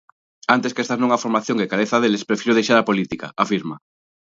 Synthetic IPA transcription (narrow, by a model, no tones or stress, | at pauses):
ant̪eskest̪anõŋafoɾmaθjoŋkekaɾeθaðelespɾefiɾoð̞ejʃaɾapolit̪ika̰afiɾma